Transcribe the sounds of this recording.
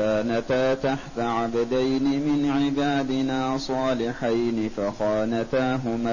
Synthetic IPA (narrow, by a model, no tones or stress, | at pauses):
aːnat̪aːt̪aħt̪aʕabad̪ajnɪmɪnʕɪbaːd̪ɪnaːsˤɑːlɪħajnɪfaxaːnat̪aːɦʊma